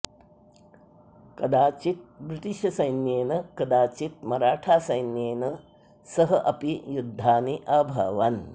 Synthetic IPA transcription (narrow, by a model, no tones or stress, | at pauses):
kɐd̪aːt͡ʃit̪̚bɾit̪iʃɐsɐjnjeːnɐkɐd̪aːt͡ʃit̪̚mɐɾaːʈʰaːsɐjnjeːnɐ | sɐɦɐʔɐpijud̪ʱːaːniʔɐbʱɐ̰ʋɐn